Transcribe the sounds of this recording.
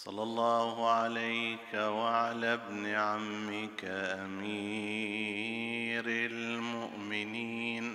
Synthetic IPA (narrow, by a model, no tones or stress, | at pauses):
sˤɑ̰lːɑlˤːɑːhʊʕalajkawaʕalabnɪʕamːɪkaʔamiː | ɾɪlmʊʔmɪniːn